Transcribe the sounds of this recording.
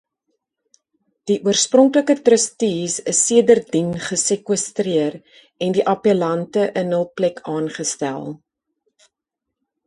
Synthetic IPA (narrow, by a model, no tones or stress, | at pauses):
d̥iʔuərsprɔŋkləkətrəstisəsːiədərdinχəsekwəstriər | ɛndiʔɐpəlɐntəʔənəlˠplɛkʰɑːnχəstæ̰lˠ